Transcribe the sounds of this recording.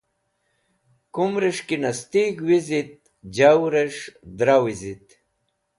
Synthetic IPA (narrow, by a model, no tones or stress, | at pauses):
kumɾeʂkinɐst̪iɡwizit̪̚ | d͡ʑawɾeʂd̪ɾawizit̪